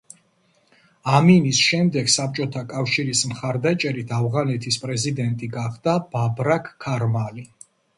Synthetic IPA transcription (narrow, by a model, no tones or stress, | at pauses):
aminisʃɛmd̪ɛɡsap̚t͡ʃʼɔt̪ʰakʼafʃiɾismχaɾd̪at͡ʃʼɛɾit̪ʰavʁanɛt̪ʰispʼɾɛzid̪ɛnt̪ʼiɡaχd̪ab̥abɾakʰːaɾmali